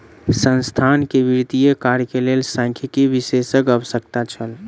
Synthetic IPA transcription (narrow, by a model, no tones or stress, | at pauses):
sənst̪ʰankebiɾt̪ijekaɾkelelsãkʰikibisesəkəʋəsək̚t̪at͡ʃʰəl